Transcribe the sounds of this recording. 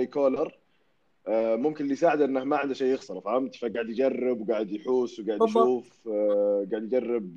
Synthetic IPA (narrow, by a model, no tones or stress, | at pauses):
jkoːlɑɾˤ | mʊmkɪnlijs̬aːʕɪd̪ʔɪnːahmaʕɪnd̪ʃejːɪɣsɑɾˤɑfʕamt̪faɡaːʕɪd̪jɪd͡ʒarˤːɪbwɡaːʕɪd̪jħuːswɡaːʕɪdjʃuːf | ɡaːʕɪd̪jɪd͡ʒarːɪb̚